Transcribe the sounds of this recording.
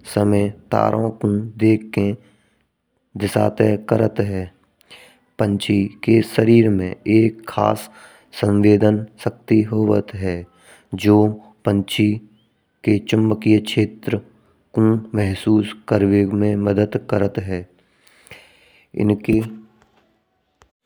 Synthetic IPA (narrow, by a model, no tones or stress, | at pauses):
səməjt̪a̰ːɾʔõkũd̪eːkːẽ | d̪ɪsa̰ːt̪ɛkəɾət̪ɦɛː | pə̃ɲt͡ʃʰikesəɾiːɾmḛ̃eːkʰːa̰ːsː | ə̃nʋeːd̪ənsək̚t̪iɦoːʋə̰t̪ɦɛː | d͡ʒoː | pə̃ɲt͡ʃi | ket͡ʃəmbəkijəʃeːt̪ɾə | kũmɛɦsuːskəɾʋemẽməd̪əd̪kəɾət̪ɦɛː | ɪ̰nke